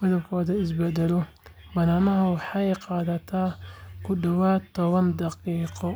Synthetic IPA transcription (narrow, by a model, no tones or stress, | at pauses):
mɪðɐbkʰɔːðɐɪsbɛd̪ɛlɔ | bɐnaːnɐɦɐwɑħɑjqɑːðɐt̪ʰaːkʰʊɖɐwaːt̪ʰːɔβɐnd̪ɑqiːqɔ